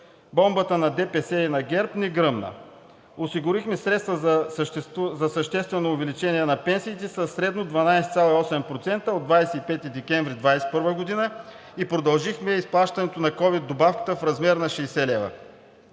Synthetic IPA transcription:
bɔmbət̪ənɐd̪ɛpɛsɛinɐɡʲɛɾpnɛɡɾɤmnə̰ | osiɡʊɾixmɛsɾɛt̪st̪vəzɐʃzɐsɐʃt̪ɛst̪vɛnoːvɛlit͡ʃɛniɛnɐpɛnsiːt̪ɛsɐsːɾɛd̪nod̪vɐnajsɛ̥t̪sʲalˠɐiɔsɛmpɾot̪sɛnt̪əod̪vajsɛipɛt̪id̪ɛkʲɛɱvɾid̪vajsɛ̥pɤɾvəɡod̪inə | ipɾod̪ɐlˠʒixmɛisplˠaʃt̪ɐnɛt̪onɐkɔvid̪ːobafkə̥t̪əfɾɐzmɛɾnɐʃɛjsɛlɛvɐ̰

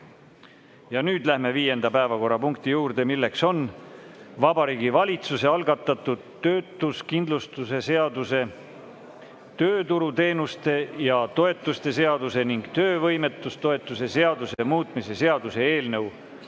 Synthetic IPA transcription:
jɑnyːd̪̥læhme̞viːje̞nd̪̥ɑpæevɑko̞rːɑpuŋkt̪ijuːɾd̪̥e̞milːe̞kso̞n | vɑbɑɾiːɡivɑlʲit̪suse̞ɑlɡɑt̪ːˑɑt̪ˑːud̪̥t̪ːøːt̪ːˑuskind̪lust̪use̞seɑd̪use̞ | t̪øːt̪uɾut̪e̞ːnust̪e̞jɑt̪o̞e̞t̪ːˑust̪e̞se̞ɑd̪̥use̞niŋɡ̥t̪ø̞ːvɤjme̞t̪ːˑust̪o̞e̞t̪ːˑuse̞se̞ɑd̪usemuːt̪ˑmise̞se̞ɑd̪̥use̞eːlnɤw

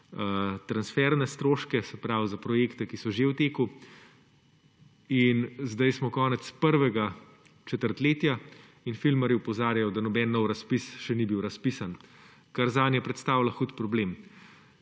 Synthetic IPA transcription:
ət̪ɾansfɛɾnɛst̪ɾoːʃkɛsɛpɾawzapɾɔjeːkt̪ɛkisɔʒewt̪eːku | inzd̪ajsmɔkɔːnɛt̪spəɾʋɛɡa | t͡ʃɛt̪əɾt̪leːt̪ja | infilmɛɾiupɔzaːɾjajɔd̪anɔbɛnːɔwɾɐspisʃɛnibiwɾɐspisan | kaɾzaːnjɛpɾɛt̪st̪awlaxut̪pɾɔbleːm

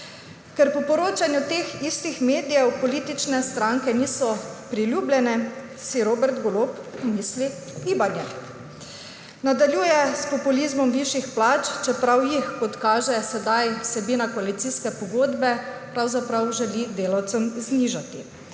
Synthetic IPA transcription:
kɛɾpɔpɔɾoːt͡ʃanjut̪eːxist̪ixmeːd̪ijɛwpɔliːt̪it͡ʃnɛst̪ɾaŋkɛniːsɔpɾiljuːbljɛnɛ | siɾoːbɛɾt̪ɡolopmiːsli | ɡiːbanjɛ | nad̪alʲjuːjɛspɔpulizmɔmʋiʃixplaːt͡ʃt͡ʃɛpɾawjixkɔt̪kaːʒɛsɛd̪ajwsɛbinakɔalit̪siːskɛpɔɡoːd̪bɛpɾawzapɾawʒɛlid̪eːlawt̪sɛmzniʒat̪i

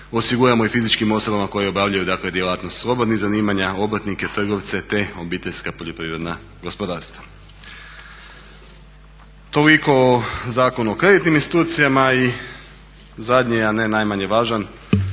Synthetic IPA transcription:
o̞siɡuɾamo̞ifizit͡ʃkimo̞so̞bamako̞jeobjaʋʎajud̪akled̪je̞lˠaːt̪no̞st̪slˠo̞bod̪nizaniːmaɲao̞bɾat̪nike̞t̪r̩ɡo̞ʋt̪se̞t̪e̞o̞biːt̪e̞ʎʲskapo̞ʎopɾiʋɾe̞d̪na | ɡo̞spo̞d̪aːɾst̪ʋa | t̪o̞liko̞zaːko̞nuokɾe̞d̪it̪niminst̪it̪uːt̪sijamai | zad̪ɲiane̞najmaɲe̞ʋaːʒan

